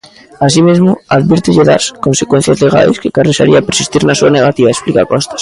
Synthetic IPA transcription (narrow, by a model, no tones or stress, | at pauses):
as̬imezmʊaðβiɾt̪ɪʎeða̰skonsekwen̟θjazleɣa̰jskekaresaɾiapeɾsist̪iɾnasuaneɣat̪iβaesplikakɔst̪ḁs